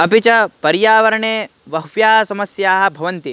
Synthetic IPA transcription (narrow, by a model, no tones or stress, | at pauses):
ɐpit͡ʃɐpɐɾjaːʋɐɾɐɳeː | ʋɐɦʋjaːɦɐsɐmɐsjaːɦɐ̆bʱɐʋɐnt̪i